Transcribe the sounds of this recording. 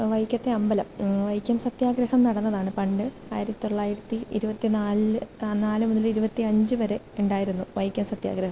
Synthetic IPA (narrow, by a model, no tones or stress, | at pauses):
ʋɐjkʲːɐt̪ːeɐmbɐlɐmʋɐjkʲːjɐmsɐt̪jaːɡɾɐhɐmnɐɽɐnːɐðaːɳɨpɐɳɖɨ | a̰ːjiɾɐt̪ːit̪o̞ɭːaːjiɾɐt̪ːiiɾubɐt̪ːinaːlnaːlɨmuðiliɾubɐt̪ːiɐɲd͡ʑɨʋɐɾe̞ | eɳɖaːjiɾunːuʋɐjkʲːɐmsɐt̪ja̰ːɡɾɐɦɐm